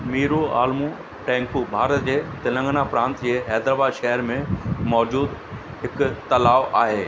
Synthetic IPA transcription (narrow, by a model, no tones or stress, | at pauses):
miːɾua̰ːlmũ | ʈɛ̃ːŋkubʱaːɾət̪d͡ʑeːt̪ɪlə̃ŋɡnapɾãːnt̪d͡ʑeːɦɛːd̪ɾaːbaːd̪ʃɛɦəɾmẽmɔːd͡ʑuːd̪ | ɦɪkt̪ɐlaːʋʔaːɦeː